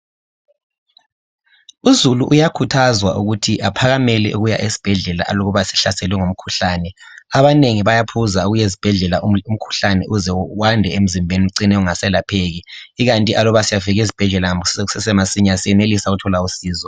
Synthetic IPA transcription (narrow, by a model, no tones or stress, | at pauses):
uzuluʔujakʰutʰazwa̰ʔuɣutʰiʔapʰaɣamɛlɛ̰ʔuɣuja̰ʔesi̥b̥ʱɛɮɛla̰ʔloɣuβasi̥ɬasɛlwɛŋom̩kʰu̥ɬaːnɛ | aβaneŋiβajapʰuzauɣujezi̥b̥ʱɛɮɛlaʔum̩kʰu̥ɬanɛʔuzɛwandʱɛem̩zimbʱeniuǀinɛuŋasɛlapʰeɣiːɣantʼiʔalɔβasijaviɣezib̥ʱɛɮɛlaŋsɛsɛmasiɲasijɛnelisaɣutʰɔlausiːzɔ